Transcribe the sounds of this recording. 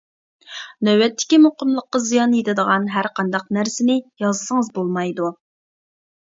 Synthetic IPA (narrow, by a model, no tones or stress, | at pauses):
nøwɛt̪ʰːɪ̥kʲimoqəmlˠəqːɑzijɑnjet̪ɪd̪əʁɑnɦæɾqɑnd̪ɑqnæɾsɪnɪjɑzɨsəŋəzbolˠmɑjd̪u